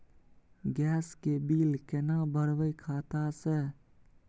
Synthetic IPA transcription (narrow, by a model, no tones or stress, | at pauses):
ɡɛːskebiːlkenabəɾʋəikʰaːt̪ase